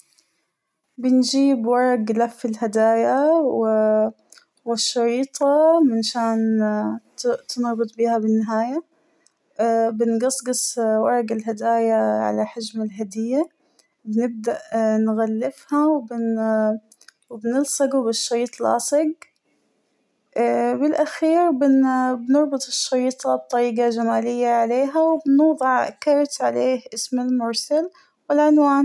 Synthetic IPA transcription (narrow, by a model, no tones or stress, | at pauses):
bɪnd͡ʒiːbwɑɾˤɑɡlafːɪlhad̪aːjawɪ | wɪʃːɑɾiːt̪ˤɑmɪnʃaːn | t̪ɪnɣbɨt̪ˤbiːhabɪnːɪɦaːja | bɪnɡɑsˤɡɨsˤwɑɾˤɑɡɪlɦad̪aːjaʕa̰laħad͡ʒmalɦad̪ɪjːa | bɪnɪb̚d̪aʔnɣalːɪfhawbɪn | wɪbnɪlsˤɑɡubɪʃːɑɾiːt̪ˤlɑ̰ːsˤɪɡ | bɪlʔaxiːɾbɪbnʊɾˤbɨt̪ˤʃːɑɾiːt̪ˤɑb̚t̪ˤːɑɾiːɡaʒamaːlɪjːaʕaleːɦawɪbnuːðˤɨʕkɑɾˤt̪ʕaleːhʔɪsmɪlmʊɾˤsal | wɪlʕʊnwaːn